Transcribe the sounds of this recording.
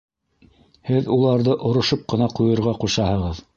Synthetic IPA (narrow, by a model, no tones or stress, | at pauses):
hɘðulˠɑɾðɤʔŏɾŏʃop̚qɤ̆nɑqujɤ̆ɾʁɑquʃɑhɤ̆ʁɤð